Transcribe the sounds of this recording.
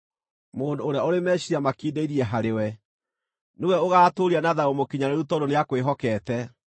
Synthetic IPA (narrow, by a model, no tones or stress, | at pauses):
moːndoːɾeaoɾemɛɕiamakiːdeiɾiɛɦaɾewɛ | newɛoɣaːtoːɾianaðaomokiɲaɾeɾutɔdoneakweɦɔkɛːtɛ